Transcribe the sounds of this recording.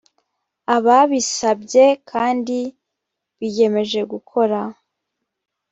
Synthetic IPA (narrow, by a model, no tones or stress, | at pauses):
aβaβisabɟe̞kʰaːndi | βije̞me̞ʒe̞ɡukʰo̞ɾa